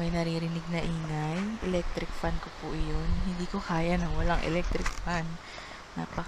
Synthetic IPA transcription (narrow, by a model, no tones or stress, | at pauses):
mɐjnɐɾiːɾɪnɪɡ̚nɐʔiːŋajʔɛlɛk̚t̪ɾɪk̚fankopʊʔɪjonhɪnd̪iːkokaːjanɐŋwɐlaŋʔɛ̰lɛk̚t̪ɾɪk̚fanː | a̰pɐ